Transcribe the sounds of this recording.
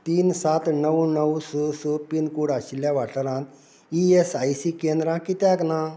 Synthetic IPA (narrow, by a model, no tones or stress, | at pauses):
t̪iːnsat̪nəʋnəwsosopinkuɽaɕiljãʋaʈəɾãn | iesajsikend̪ɾãkit̪jãkna